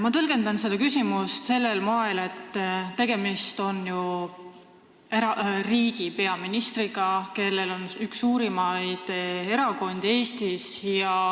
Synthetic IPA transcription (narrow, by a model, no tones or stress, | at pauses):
mɑt̪ɤlɡ̥e̞nd̪ɑnsed̪̥ɑkysimust̪se̞lːe̞lmoele̞t̪ːt̪e̞ɡ̥e̞mist̪o̞nju | eɾɑriːɡ̥ipe̞ɑminist̪riɡ̥ɑke̞lːe̞lo̞nyksːuːɾimɑjd̪̥e̞ɾɑko̞nd̪̥e̞ːst̪isjɑ